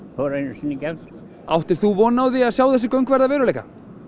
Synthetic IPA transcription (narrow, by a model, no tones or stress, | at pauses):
hɔɾenʏsinːɪcɛvt̪ | a̰wht̪ɪɾ̥θuvɔːnawðɪaðsjaːwθɛs̬ɪkœɥŋkvɛɾðavɛːɾʏleːjka̰